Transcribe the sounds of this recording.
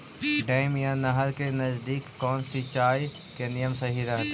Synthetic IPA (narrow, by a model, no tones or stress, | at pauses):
ɖɐːɪmjanɐɦəɾkenɐzd̪iːkːɔːnsit͡ʃaːj | kenijəmsɐɦiɾɐɦt̪ː